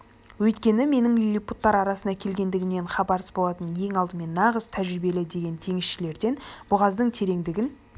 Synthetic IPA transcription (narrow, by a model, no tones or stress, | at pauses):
wɵjt̪kʲe̞nɪme̞nɪŋʏjlʲijput̪ːɑɾɑɾɑsənɑkʲʰe̞lɡʲe̞nd̪ɪɡʲɪmne̞ɴχɑbɑɾsəsbo̞lˠɑt̪ənje̞ŋɑlˠd̪əme̞nːɑʁəzt̪ʰæʒɾɪbe̞lɪd̪e̞ɡʲe̞nt̪ʰe̞ŋɪsʃɪle̞ɾd̪e̞nb̥ʊʁɑzd̪əɴt̪ʰe̞ɾe̞ŋd̪ɪɡʲɪn